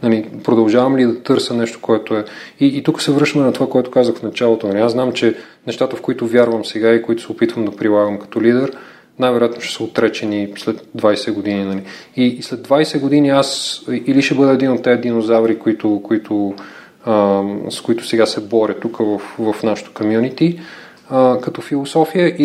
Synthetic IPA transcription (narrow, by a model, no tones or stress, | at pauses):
nɐlipɾod̪ɐlˠʒavɐmlid̪ɐt̪ɤɾsənɛʃt̪o̥koɛt̪ʊɛiːt̪ukə̥sɛvɾɤʃt̪əmɛnɐt̪ovakoɛt̪ʊ̥kazəxfnɐt͡ʃalˠot̪onɐliazznamt͡ʃɛ | nɛʃt̪at̪əfkoit̪ʊvʲjaɾvəmsɛɡaikoit̪ʊ̥sɛopit̪vəmd̪ɐpɾilˠaɡəmkɐ̥t̪ɔlid̪ɛɾ | najvɛɾojat̪noʃɛ̥səot̪ɾɛt͡ʃɛnislɛt̪̚d̪vajsɛɡod̪ininɐliislɛd̪vajsɛɡod̪iniasiliʃɛbɤd̪ɛːd̪inot̪ːɛɛd̪inozavɾikoit̪ʊkoit̪ʰʊ | əskoit̪ʊ̥sɛɡasɛbɔɾʲət̪ukəvəfvɐfnaʃə̥t̪ə̥komjunit̪i | əkɐt̪ɔfilˠosɔfijəʔi